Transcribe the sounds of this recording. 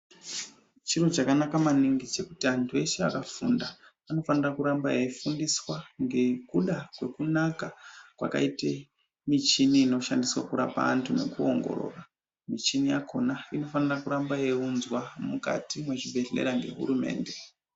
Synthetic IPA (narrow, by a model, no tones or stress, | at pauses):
t͡ʃirut͡ʃakanakamaniŋɡit͡ʃe̞kutiantʰue̞ʃea̰kafunda | ano̞fanirakuɾambajefundiswaŋɡe̞kuɗakwe̞kunakakwa̰ka̰ite | mit͡ʃiniːno̞ʃandiswakuɾa̰pa̰ntʰune̞̰kuo̞ŋɡo̞̰ɾo̞̰ra | mit͡ʃinijakʰo̞naino̞fanirakuɾambaje̞unzwamuka̰timwe̞ʐiɓe̞ɮe̞̰ɾaŋɡe̞ɦṵɾume̞̰ːnde̞